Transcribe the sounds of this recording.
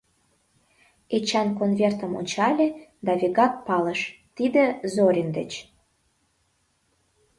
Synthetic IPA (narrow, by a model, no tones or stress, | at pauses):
et͡ɕɑnkonvʲert̪ə̆mo̰nʲt͡ɕɑlʲed̪ɑvʲiɣɑk̪̚pɑləʃt̪id̪ĕzoɾʲind̪et͡ɕ